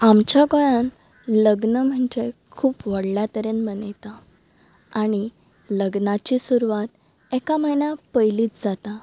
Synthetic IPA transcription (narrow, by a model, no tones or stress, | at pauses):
amt͡ɕjaɡɔɭãn | ləɡnəm̤əɳd͡ʑekʰuːpʋəɽljat̪əɾenmənəjt̪a | aɽ̃i | ləɡnat͡ɕisuɾuʋat̪ | ɛkaməɦinjapəjliːt͡sd͡zat̪a